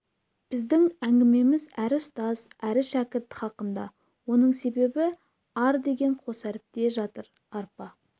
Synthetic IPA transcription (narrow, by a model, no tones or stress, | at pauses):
b̥ɪzd̪ɪŋæŋɡʲɪme̞mɪzæɾɪʊst̪ɑzæɾɪʃækʲɪɾt̪ɪχɑqənd̪ɑ̰ | wo̞nəɴse̞be̞bɪ | ɑɾd̪e̞ɡʲe̞ɴqʰo̞sæɾɪp̚t̪e̞ʒɑt̪əɾ | ɑɾpɑ